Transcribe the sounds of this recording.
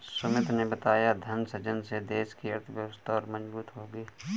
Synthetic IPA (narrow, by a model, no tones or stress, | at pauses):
sʊmɪt̪nebɐt̪aːjad̪ʱɐnsɐt͡ʃənsed̪eːskiɐɾt̪ʰəbjəʋəst̪ʰaɔːɾmɐd͡ʒbuːt̪ɦoːɡiː